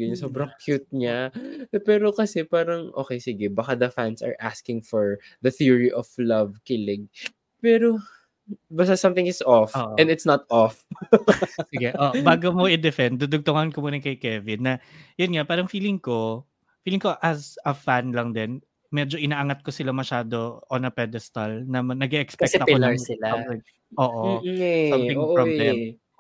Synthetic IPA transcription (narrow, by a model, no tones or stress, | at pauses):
ɐɲsobɾɐŋkʰjut̪̚ɲapɛːɾokɐsɛpaːɾɐŋʔo̰ːkejsɪɡɛbɐkad̪ɐfansɐ̰ɹʔaskɪ̃ŋfɔɹðɐθiɹiʔɔflɐvkɪlɛɡ̚ | pɛːɾo | bɐst̪asɐ̃mθɪ̃ŋɪsʔɔfːʔɛ̃nd̪ɪt̪snɐt̪̚ʔɔf | sɪɡɛʔʔoʔbaːɡomoʔɪd̪ɛfɛn̚d̪ud̪ʊɡ̚t̪oŋɐnkomuːnɐkɐjkɛvɪd̪̚nɐjʊnŋapaːɾɐŋfiːlɪŋko̞ | fiːlɪŋko̞ʔɐsɐfanlɐŋd̪ɛn | mɛd͡ʒo̞ʔɪnaːʔɐŋɐt̪̚kosɪlamɐʃaːd̪oʔonɐpɛd̪ɛst̪ɐlnɐmɐnɐɡɛʔɛkspɛk̚ɛɐpɪlɐɹɪla | ʔoːʔosɐɪʔablɛ